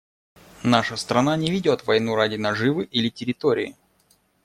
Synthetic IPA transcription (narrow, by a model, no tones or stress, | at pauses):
naʂəst̪ɾɐnanʲɪvʲɪdʲo̞t̪vɐjnuɾadʲɪnɐʐɨvɨʔilʲɪtʲɪɾʲɪt̪oɾʲɪ̰ɪ̰